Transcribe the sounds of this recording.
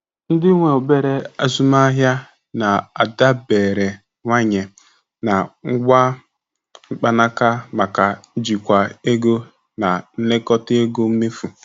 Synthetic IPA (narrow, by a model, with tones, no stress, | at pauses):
n̩˦dɪ˦ŋʷe˨o˨be˦ɾe˦a˦zu˦ma˦ɦja˦ | na˨a˨da˦beː˨ɾe˨ | ŋʷa˦ɲe˨ | na˨ŋ̩˦ɡʷa˦ | ŋ͡m̩˦k͡pa˦na˦ka˦ma˨ka˨˦d͡ʒi˨kʷa˨e˦ɡo˦ | na˨n̩˦le˦kɔ˦tɪ˦e˦ɡo˦m̩˦me˦fu˨